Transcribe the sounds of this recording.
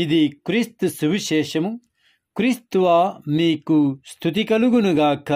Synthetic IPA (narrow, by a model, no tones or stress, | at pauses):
id̪ikɾist̪subiʃeːʃɐmu | kɾist̪uʋaːmiːkust̪ʰut̪ikɐluɡunuɡaːkʰɐ